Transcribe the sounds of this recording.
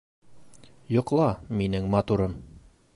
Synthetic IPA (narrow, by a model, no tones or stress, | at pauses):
jŏqlˠɑminɘŋmɑt̪uɾɤm